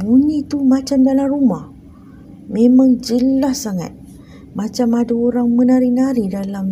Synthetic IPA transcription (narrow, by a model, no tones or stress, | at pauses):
buɲit̪umat͡ʃamdalarumah | memaŋd͡ʒəlahsaŋa̰t̪̚ | mat͡ʃamadaoɾaŋmənaɾinaɾidalam